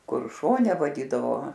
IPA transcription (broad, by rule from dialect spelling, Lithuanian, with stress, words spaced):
ˈkʊr ˈʃoːnʲɛ ʋɐˈdʲiːdɐʋoː